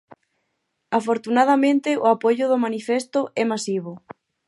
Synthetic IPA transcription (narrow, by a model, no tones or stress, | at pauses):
afoɾt̪unað̞amẽnt̪ɪʊapoʎʊðʊmanifɛst̪ʊʔɛmasiβ̞ʊ